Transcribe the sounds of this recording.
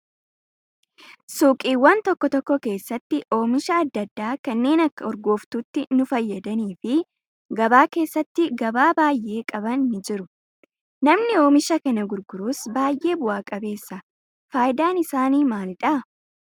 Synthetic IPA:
suːkʼiːwːɐnt̪ɔkːɔt̪ɔkːɔke̞ːsːɐt̪ːɪʔo̞ːmɪʃɐːd̪ːɐd̪ːaːkɐnːe̞ːnɐkːɐɔɾɡo̞ːft̪uːt̪ːɪnʊfɐjːɐd̪ɐniːfɪ | ɡɐbaːke̞ːsːɐt̪ːɪɡɐbaːbaːjʔe̞ːkʼɐbɐnːɪd͡ʒɪɾʊ | nɐmnɪo̞ːmɪʃɐkɐnɐɡʊɾɡʊɾuːsbaːjʔe̞ːbʊʔaːkʼɐbe̞ːsːɐ | faːjɪd̪aːnɪsaːniːmaːlɪᶑɐ

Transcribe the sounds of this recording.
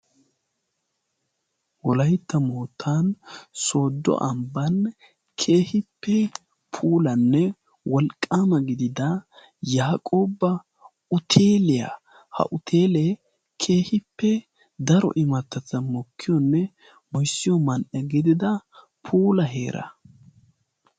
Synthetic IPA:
wɔlɐjt̪ːɐmoːt̪ʰːaːnso̞ːd̪ːɔ̰ʔɐmbɐn | kʰe̞ːhɪpːɛ | pʰuːlɐnːɛ | wɔlkʼːaːmɐɡɪd̪ɪd̪ɐ | jaːkʼoːbɐ | ʊt̪ʰeːlɪjɐ̰ | hɐ̰ʔʊt̪ʰe̞ːlɛ | kʰe̞ːhɪpːɛ | d̪ɐɾɔ̰ʔɪmɐt̪ːɐt͡sːɐmɔkʰːɪjɔnːɛ | hɔjsːɪjɔmɐnʔɐɡɪd̪ɪd̪ɐ | pʰuːlɐɦe̞̰ːɾʔɐ̰

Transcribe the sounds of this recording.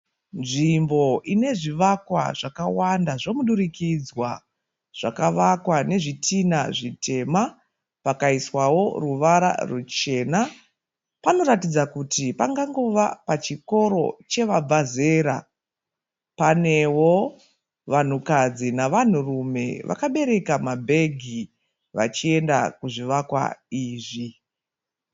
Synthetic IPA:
nʐimbo̞ʔine̞ʐiʋakwa̰ʐakawandaʐo̞muɗurikid͡zwa | ʐ̥akaʋakwane̞ʐitʰinaʐitʰe̞ma | pakaiswawo̞ruʋaɾa̰rut͡ʃe̞ːna | pano̞ɾatid͡zakutipaŋɡaŋɡo̞ʋapat͡ʃiko̞ɾo̞̰t͡ʃe̞ʋab͡vʱaze̞ːɾa̰ | pane̞wo | ʋan̤ukad͡zinaʋan̤urume̞̰ʋʔa̰kaɓe̞ɾe̞kamabʱe̞ɡʱi | ʋa̰t͡ʃie̞ndakuʐiʋakwa̰iːʐi

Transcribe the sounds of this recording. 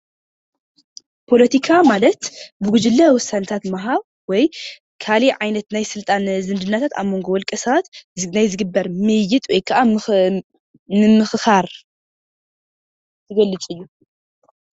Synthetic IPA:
pʰo̞lɐt̪ʰikʰamalɐt̪bɨɡud͡ʒɪlːɐwɔsːant̪ʰat̪maɦaβ | wɔj | kʰaliʕajnɐt̪najsɨlt̪ʼanzɨnd̪ɨnːat̪ʰat̪a̰mo̞ŋɡowɔlkʼɐsɐβat̪najzɨɡɨbːɐɾmɨjːɪt̪ʼwɔjkʰːɐʔa | nɨmɨxɨxaɾ | t̪ʰɨɡɐlːɨt͡sʼɨjːu

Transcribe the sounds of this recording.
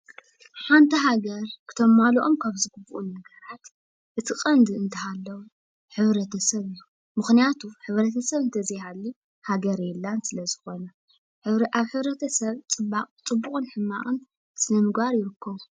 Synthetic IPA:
ħant̪ʰiɦaɡɐɾkʰɨ̥t̪ʰo̞mːalʔo̞mkʰaβzɨɡɨbuʔunːɐɡɐɾat̪ | ʔɨt̪ʰɨkʼɐnd̪ɨɨnt̪ʰɐɦalːɐwu | ħɨβɾɐt̪ʰɐsɐβɨjːu | mɨxnijat̪ʰuħɨβɾɐt̪ʰɐsɐβɨnt̪ʰɐzijhalːi | haɡɐɾjɛlːansɨlɐzɨxo̞nɐ | ħʔaβħɨβɾɐt̪ʰɐsɐβt͡sʼɨbakʼt͡sʼɨbːukʼɨnħɨmːa̰χʼɨn | sɨnɐmɨɡbaɾjɪɾɨkʰːɐβu

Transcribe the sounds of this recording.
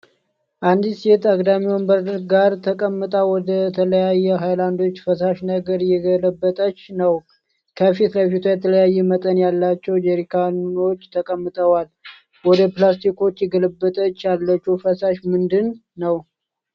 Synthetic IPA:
ʔand̪isjɛt̪aɡd̪amiwombəɾd̪ɡaɾt̪ʰəkʼəmːɨt̪ʼawɔd̪ət̪ʰələjajːɛɦajland̪o̞t͡ʃːfəsaʃnəɡəɾjɛɡələbːət̪ʼət͡ʃːnəw | kʰəfit̪ləjfit̪ʰujɛt̪ʰələjajːɛmət̪ʼənjalːat͡ʃːɛwd͡ʒɛɾikʰano̞t͡ʃːt̪ʰəkʼəmːɨt̪ʼəwal | wɔd̪əplast̪ʰiko̞t͡ʃːjɛɡələbːət̪ʼət͡ʃːjalːət͡ʃːɛwfəsaʃmɨnd̪ɨnːəw

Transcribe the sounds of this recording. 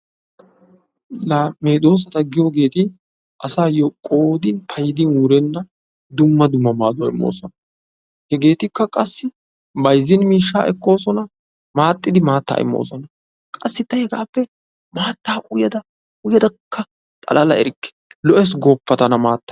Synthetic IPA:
laːmeːd̪o̞ːs̬ɐt̪ɐɡɪjoːɡe̞ːt̪ɪ | ʔɐsaːjokʼoːd̪ɪnpʰɐjɪd̪ɪnuːɾɛnːɐ | d̪ʊmːɐd̪ʊmːɐmaːd̪ʊɐɪ̰mːo̰ːsɔnɐ | hɛɡe̞ːt̪ɪkːɐkʼɐsːɪ | bɐjzːɪnmiːʃːaːʔɛkːo̞ːsɔnɐ | maːt̪ʼːɪd̪ɪmaːt̪ːa̰ːʔɪ̰mːo̰ːsɔnɐ | kʼɐsːɪt̪ːɐhɛɡaːpːɛ | maːt̪ːaːʔʊjɐd̪ɐ | ʊjɐd̪ɐkʰːɐ | t̪ʼɐ̰lɐlɐɛɾɪkːɛ̥lɔʔɛs̬ɡɔpːɐt̪ɐnɐmaːt̪ːɐ̥

